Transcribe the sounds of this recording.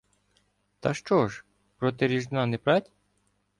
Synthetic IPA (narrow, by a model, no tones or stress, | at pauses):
t̪ɐʃt͡ʃɔʒ | pɾɔt̪ɪɾʲiʒnɑnepɾɑtʲ